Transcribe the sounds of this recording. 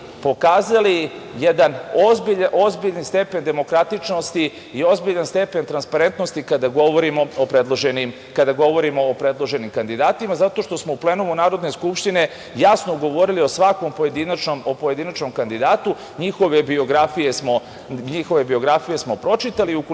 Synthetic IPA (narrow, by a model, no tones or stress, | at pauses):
po̞kaːzalijed̪anozbiʎaʔo̞zbiʎanst̪e̞pe̞nd̪e̞mo̞kɾat̪it͡ʃno̞st̪i | io̞zbiʎanst̪e̞pe̞nt̪ɾanspaɾe̞nt̪no̞st̪ikad̪aɡoʋoɾimo̞opɾed̪lˠoʒenim | kad̪aɡo̞ʋo̞ɾimoːpɾe̞d̪lˠo̞ʒe̞nimkand̪id̪aːt̪imazat̪o̞ʃt̪o̞smouple̞numunaːɾod̪ne̞skupʃt̪ine̞ | jasnoɡo̞ʋo̞ɾilio̞sʋakʋo̞mpoje̞d̪inat͡ʃnomopoje̞d̪inat͡ʃno̞mkand̪id̪aːt̪u | ɲixo̞ʋe̞bioɡɾafijesmo̞ | ɲixo̞ʋe̞bio̞ɡɾafije̞smo̞pɾo̞t͡ʃit̪aliuk